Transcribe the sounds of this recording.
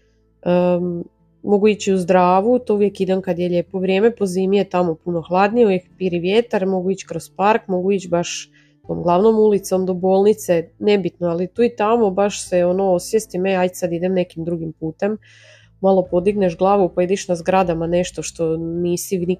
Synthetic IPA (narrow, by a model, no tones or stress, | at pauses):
ə | mo̞ɡuit͡ɕiuzd̪ɾaːʋut̪ouʋjekid̪ankad̪jeʎe̞ːpo̞ʋɾje̞ːme̞po̞zimiet̪amo̞puno̞xlˠad̪nijeojekpiɾiʋjet̪aɾmo̞ɡuit͡ɕkɾo̞spaɾkmo̞ɡuit͡ɕbaʃ | t̪o̞ːmɡlˠaʋno̞mulit̪so̞md̪o̞bo̞ːlˠnit̪sene̞bit̪noalit̪uːit̪amo̞baʃseo̞no̞osʋjest̪imeajd̪sad̪id̪emne̞kimd̪ɾuɡimpuːt̪e̞m | malˠo̞po̞d̪iɡneʃɡlˠaːʋupaid̪iʃnazɡɾad̪amane̞ʃt̪o̞ʃt̪o̞niːsini